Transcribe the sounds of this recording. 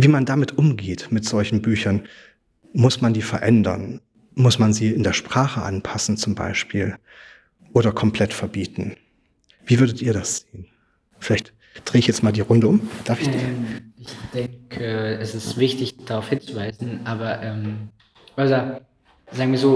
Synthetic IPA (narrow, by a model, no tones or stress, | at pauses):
viːmandamɪtʔʊmɡeːtmɪtz̥ɔlçn̩byːçɐn | mʊsmandiːfɛɐʔɛndɐ̰n | mʊsmanziːɪndeːɐʃpʁ̥aːχəʔanpʰasn̩t͡sʊmba̰ɪʃpiːl | ʔoːɾɐkʰɔmpl̥ɛtfɛɐbiːtn̩ | viːvʏɐdətiːɐɾasz̥eːən | fɪlaɪçt | d̥ʁeːɪçjɛt͡stmaːldiːʁʊndəʊmd̥aːɐfɪçd̥iːɪçd̥ɛŋkʰəɛsɪstv̥ɪçtɪçd̥aʁaʊfhɪnt͡suvaɪzn̩ʔaːbɐʔɛːm | ʔadɐ | zaːɡŋ̩viːɐzoː